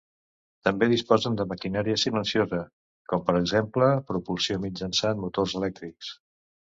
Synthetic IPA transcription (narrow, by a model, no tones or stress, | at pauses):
t̪əmbeðispɔzənd̪əməkinaɾiəsilənsiozə | kɔmpəɾəɡzempləpɾupulsiomid͡ʒənsanmut̪orzəlɛk̚t̪ɾiks